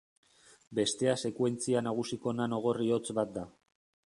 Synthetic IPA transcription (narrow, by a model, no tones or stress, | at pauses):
be̞st̪e̞ase̞kwe̞nt͡sianaɣ̞usiko̞nano̞ɣo̞rio̞t͡sβat̪̚d̪a